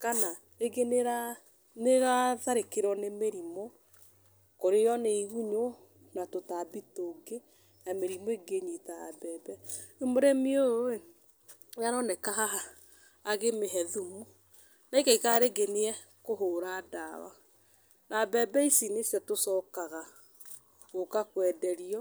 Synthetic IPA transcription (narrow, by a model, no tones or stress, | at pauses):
kana | eɡeneɾa | neɾaðaɾekeɾɔnemeɾimɔ | koɾejɔneiɣuɲo | natotabitoɡe | nameɾimɔeɡeɲitaa̰bɛbɛemoɾɛmioe | aɾɔnɛkaɦaaː | ɣemeɦɛðumu | naikɛikaɾeɡeneɛ | koɦoɾadawa̰ | nabɛbɛisinesjɛtosɔkaɣa | ɣokakwɛdɛɾiɔ